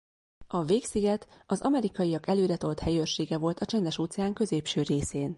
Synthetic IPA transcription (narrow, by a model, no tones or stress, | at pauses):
ɒveːksiɡɛt̪ɒzɒmɛɾikɒjiɒkɛløːɾɛt̪o̞lt̪hɛjørʃeːɡɛvo̞lt̪ɒt͡ʃɛnd̪ɛʃoːt̪sɛaːŋkø̞zeːpʃøːɾeːseːn